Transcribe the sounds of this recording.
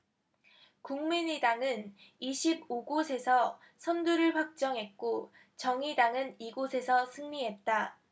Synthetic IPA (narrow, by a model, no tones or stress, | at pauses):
kuŋmiɲidaŋɯniɕʰiboɡosʰe̞sʰʌ | sʰʌnduɾɯɭɸwak̚t͡ɕ͈ʌŋɦe̞t̚k͈o | t͡ɕʌŋidaŋɯniɡosʰe̞sʰʌsʰɯŋɲiɦe̞t̚t͈a